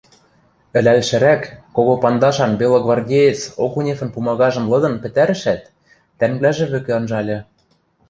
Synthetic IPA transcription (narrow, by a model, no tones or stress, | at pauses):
ɘ̆lælʲʃɘ̆ɾækːoɣopɑnd̪ɑʃɑnbelŏɣvɑrdʲejet͡sokunʲefɘ̆npumɑɣɑʒɤ̆mlɤ̆d̪ɤ̆npɘ̆t̪æɾɘ̆ʃæt̪ː | æŋblæʒĕβø̆kĕɑnʒɑlʲɤ̆